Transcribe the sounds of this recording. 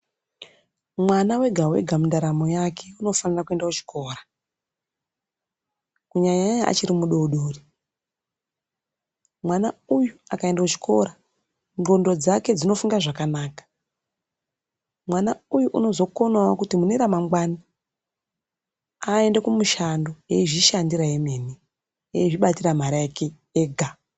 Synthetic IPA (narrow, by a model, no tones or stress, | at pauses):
mwanawe̞ɡʱawe̞̰ɡʱamundaɾamojakʰe̞uno̞fanirakue̞ndaut͡ʃi̥kʰo̞ːra | kuɲaɲajaa̰t͡ʃiɾimuɗo̞ɗoːri | mwanaujuakae̞ndakut͡ʃi̥kʰo̞̰ɾa | nɡo̞ndo̞d͡zake̞d͡zino̞fuŋɡaʐakanaːkḁ | mwanaujuʔuno̞zo̞ko̞nawakutimune̞ɾamamɡwaːni | ae̞ndekumuʃando̞jeiʐiʃandiɾajeme̞ne | eiʐiɓatiram̤aɾajake | eɡʱa